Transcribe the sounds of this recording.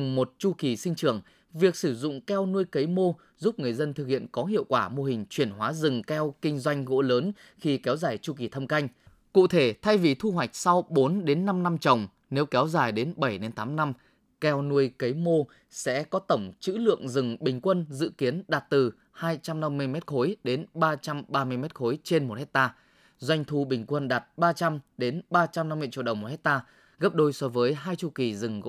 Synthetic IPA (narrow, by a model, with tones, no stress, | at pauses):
ŋ͡mmo˨˩t̚t͡ɕu˧ki˨˩sï˧ŋ̟t͡ɕɨ˧˩əŋ | vi˨˩ək̚sɨ˧˩zʊ̰˧˨ŋ͡mkɛ˧wnu˧əjkə˨˦jmo˧ | zu˦˥p̚ŋɨ˨˩əjzə˧nt̪ʰɨ˨˩k̚hḭ˧˨ənkɔ˨˦ɦḭ˧˨əwkwaː˧˩mo˧hï˨˩ŋ̟t͡ɕwi˧˩ənɦwaː˨˦zɨ˨˩ŋkɛ˧wkï˧ŋ̟zwa˧jŋ̟ɣo̰˧˥ləː˨˦n | xi˧kɛ˨˦wzaː˨˩jt͡ɕu˧ki˨˩t̪ʰə˧mka˧jŋ̟ | kṵ˧˨t̪ʰe˧˩t̪ʰa˧jvi˨˩t̪ʰu˧ɦwa˨˩jk̟̚sa˧wɓo˨˦nɗe˨˦nːa˧mna˧mt͡ɕə˨˩wŋ͡m | ne˨˦wkɛ˨˦wzaː˨˩jɗe˨˦nɓə˧˩jne˨˧nt̪aː˨˦mna˧m | kɛ˧wnu˧əjkə˨˦jmo˧ | sɛ̰˧˥kɔ˨˦t̪ə˧˩wŋ͡mt͡ɕɨ̰˧˥lɨ̰˧˨əŋzɨ˨˩ŋɓï˨˩ŋ̟kwə˧nzɨ̰˧˨ki˨˦ənɗaː˨˩t̚t̪ɨ˨˩ | haː˧jt͡ɕa˧mna˧mːɨ˧əjmɛ˦˥t̚xo˨˦jɗe˨˦nɓaː˧t͡ɕa˧mɓaː˧mɨ˧əjmɛ˦˥t̚xo˨˦jt͡ɕe˧nmo˨˩t̚he˦˥k̚t̪aː˧ | zwa˧jŋ̟t̪ʰu˧ɓï˨˩ŋ̟kwə˧nɗaː˨˩t̚ɓaː˧t͡ɕa˧mɗe˨˦nɓaː˧t͡ɕa˧mna˧mːɨ˧ət͡ɕḭ˧˨ɗə˨˩ŋ͡mmo˨˩hʰk̚t̪aː˧ | ɣə˦˥p̚ɗo˧jsɔ˨˧˦vəː˨˦jɦaː˧jt͡ɕu˧˩ki˨˩zɨ˨˩ŋɣ̰